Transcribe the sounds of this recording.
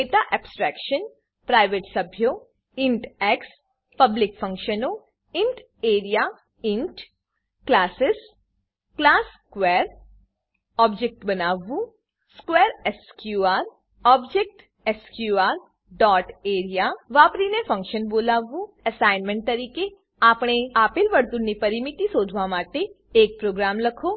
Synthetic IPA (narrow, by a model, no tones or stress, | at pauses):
eːʈaʔɛːbsʈɾɛːkʃən | pɾaːɪʋeːʈsɐbʱjo | ɪ̃ɳʈɛːks | pɐblɪkfʰɐ̃ŋkʃəno | ɪ̃ɳʈ | eːɾija | ɪ̃ɳʈ | klaːsɪs | klaːskwɛːɾ | ɔːbd͡ʒek̚ʈbɐnaːʋũ | skwɛːɾɛskjuːaːɾ | ɔːbd͡ʒek̚ʈ | ɛskjuːaːɾ | ɖɔːʈeːɾijaʋaːpɾinefʰɐ̃ŋkʃənboːlaːʋũəsaːɪnmɛ̃ɳʈ̚t̪ɐɾiːke | aːpɽ̃eaːpɪlʋɐɾt̪unipɐɾɪmɪt̪isoːd͡ʒʱʋamaːʈe | eːk̚pɾoːɡɾaːmlɐkʰoː